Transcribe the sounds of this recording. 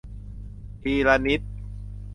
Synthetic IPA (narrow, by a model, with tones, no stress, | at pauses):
t̪ʰiː˧ɾa˧ni˦˥t̪̚